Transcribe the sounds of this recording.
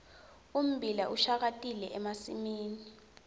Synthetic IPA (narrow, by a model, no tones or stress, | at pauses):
um̩bʱilaʔuʃak̬atʼilɛʔɛmasimiːni